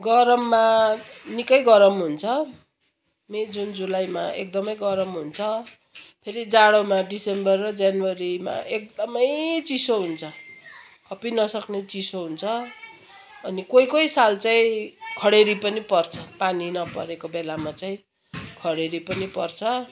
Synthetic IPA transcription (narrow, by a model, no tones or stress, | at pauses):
ɡʌɾʌmːanikʌjɡʌɾʌmɦunt͡sʰʌ | med͡zund͡zulajma̰ek̚d̪ʌmʌjɡʌɾʌmɦunt͡sʰʌ | pʰeɾid͡zaɽʌmaɖisembʌrːʌd͡zjanwʌɾima̰ʔek̚d̪ʌmʌjt͡sisoɦunt͡sʰʌ | kʰʌpinʌsʌknet͡sisoɦunt͡sʰʌː | nikojkojsalt͡saĩkʰʌɽeɾipʌnipʌrt͡sʰʌ̥paninʌpʌ̰ɾekobelamat͡saĩ | kʰʌɽeɾipʌnipʌrt͡sʰʌ